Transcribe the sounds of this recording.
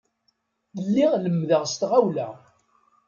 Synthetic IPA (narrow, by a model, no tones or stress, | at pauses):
lːiʁləmːðəʁst̪ʁawlæ